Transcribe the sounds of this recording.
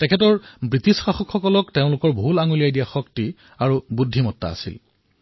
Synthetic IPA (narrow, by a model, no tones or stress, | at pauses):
tɛkʰɛt̬ɔɹbɹitisxaxɔkxɔkɔlɔkteʊ̃lʊkɔɹbʱulaŋulijajdijaxɔkti | aɹubudʱːimɔtːa̰a̰sḭl